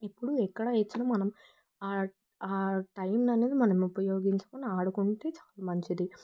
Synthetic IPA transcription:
epːuɽuɛkːɐɽɐet͡ʃːinɐmːɐnɐm | aː | aːʈɐjmnɐne̞ːd̪imɐnɐmupɐjo̞ːɡiɲt͡ʃɐ̥koniaːɽukuɳʈe̞ːt͡ʃḁːlaːmɐɲt͡ʃid̪i

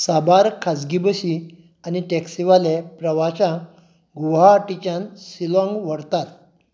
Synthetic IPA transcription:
sabaɾkʰad͡zɡibəɕi | aniʈeksiʋalepɾəʋaɕã | ɡuɦaʈit͡ɕãnsilɔ̃ŋɡʋəɽt̪at̪̚

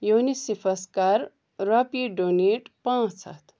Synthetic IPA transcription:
juwnisipʰɐskaɾ | ɾʌpiɖoneʈpãːt͡sʰɐ̰t̪

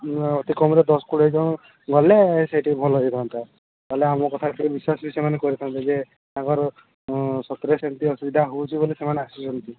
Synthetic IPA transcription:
ɔt̪ikɔmɾed̪ɔskuɽejd͡ʒɔ̃ | ɡɔleseʈibʱɔlɔit̪ʰant̪a | t̪aɦeleamɔkɔt̪ʰaeikebiswasbisɔmanekɔɾit̪ʰant̪ad͡ʒe | t̪ãŋkɔɾ | sɔt̪ɾesant̪iɔsubid̪ʱaɦowt͡ʃʰibolisemaneasisɔnt̪i

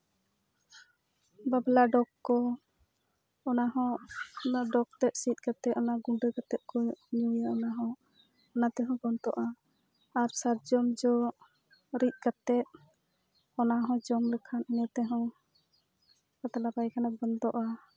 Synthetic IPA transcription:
bablaɖɔkːɔ | ɔnaɦɔ̃naɖɔk̚t̪ɛt̪̚sit̪̚ˀkat̪ɛt̪ɔnaɡuɖəkat̪ɛt̪̚kɔɲujaɔnaɦɔ̃ | ɔnat̪ɛɦɔ̃bɔnt̪ɔ̰ʔa | aɾsaɾd͡ʒɔmd͡ʒɔ | ɾit̪̚kat̪ɛt̪̚ | ɔnaɦɔ̃d͡ʒɔmlɛkʰannɛt̪ɛɦɔ̃ | kat̪alabajkʰanabɔnt̪ɔʔa

